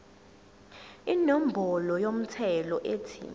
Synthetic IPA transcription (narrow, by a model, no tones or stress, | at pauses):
inɔm̩bʱɔlɔjom̩tʰɛlɔʔeːtʰḭ